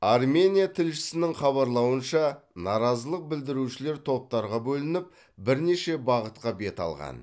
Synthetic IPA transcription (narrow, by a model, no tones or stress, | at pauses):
ɑrmʲe̞nʲijat̪ʰɪlʃɪ̥sɪnɪŋχɑβɑɾlˠɑwənʃɑnɑɾɑzəlˠəq̚bɪld̪ɪɾuʃɪle̞ɾt̪ʰo̞p̚t̪ɑɾʁɑbɵlɪnɪp̚ | bɪɾne̞ʃe̞bɑʁət̪̚qɑbe̞t̪ɑ̰lˠʁɑ̰n